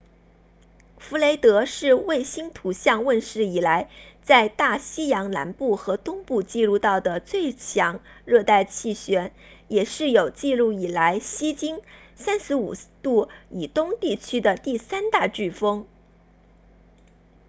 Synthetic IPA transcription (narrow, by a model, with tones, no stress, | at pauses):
fu˧˥le˧˥ɪt̪ɤ˧˥ʂɻ̩˥˧we˥˩ɪɕi˥nt̪ʰu˧˥ɕjɑ˥˧ŋwə˥˧nʂɻ̩˥˩i˨˩la˧˥ɪt͡sa˥˧ɪt̪a˥˩ɕi˥jɑ˧˥ŋna̰˧˥npu˥˩xɤ˧˥t̪ʊ˥ŋpu˥˧t͡ɕi˥˧lu˥˧t̪ɑ˥˩ʊd̪ə˩t͡swe˥˩ɪt͡ɕʰjɑ˧˥ŋɻɤ˥˧t̪a˥˧ɪt͡ɕʰi˥˩ɕɥɛ˧˥n | jɛ˨˩ʂɻ̩˥˩jo˨˩ʊt͡ɕi˥˧lu˥˩i˨˩la˧˥ɪɕi˥t͡ɕi˥ŋsa˥nʂɻ̩˧˥u˨˩t̪u˥˩i˨˩t̪ʊ˥ŋt̪i˥˩t͡ɕʰy˥d̪ə˨t̪i˥˩sa˥nt̪a˥˧ʈ͡ʂy˥˩fɤ˥ŋ